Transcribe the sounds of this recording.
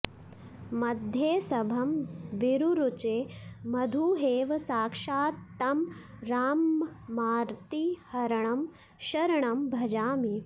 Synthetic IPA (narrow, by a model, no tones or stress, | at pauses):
mɐd̪ʱjeːsɐbʱɐmʋiɾuɾut͡ʃeːmɐd̪ʱuɦeːʋɐsaːkʂaːt̪ːɐmɾaːmːaːɾt̪ihɐɾɐɳɐm | ʃɐɾɐɳɐmbʱɐd͡ʒaːmi